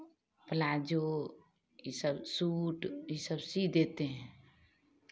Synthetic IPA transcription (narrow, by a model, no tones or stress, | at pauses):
pəlaːd͡ʒo | jisəbsuːʈjisəbsid̪eːt̪eɦɛ̃ː